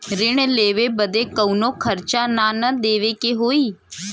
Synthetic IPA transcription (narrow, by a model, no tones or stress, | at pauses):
ɾɪɳleːʋeːbəd̪eːkəunõːkʰəɾt͡ʃaːnaːnəd̪eːʋeːkeɦoːiː